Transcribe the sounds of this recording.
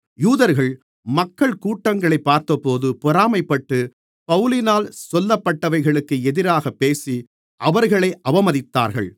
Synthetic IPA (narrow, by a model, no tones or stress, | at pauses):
juːðɐɾɣɐɭ | mɐkːɐɭkuːʈːɐŋɡɐɭɐɪpːaːɾt̪ɐpːoːðɯpʊɾaːmɐɪpːɐʈːɯ | pɐʋɯlɪnaːlsɔlːɐpːɐʈːɐʋɐɪɣɐɭɯkːɯɛðɪɾaːɣɐpːeːsi | ʔɐʋɐɾɣɐɭɐɪʔɐʋɐmɐðɪt̪ːa̰ːɾɣɐ̰ɭ